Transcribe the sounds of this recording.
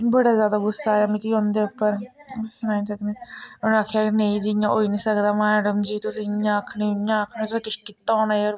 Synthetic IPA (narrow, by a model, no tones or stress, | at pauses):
bəɽaːzjaːd̪aːɡʊsːaːeamĩːkiːɦõːnd̪eːəpːəɾ | ɡʊsnaːisəkneːñaːkʰejaːkinẽĩːd͡ʒɪjã̰ːʔo̰ːiːnĩːsəkd̪aːmɛːɖəmd͡ʒiːt̪ʊsĩjãəkʰniːjãːəkʰnẽt̪ʊsĩːkɪt͡ʃʰːkɪt̪ːaõːnaːeoːɾ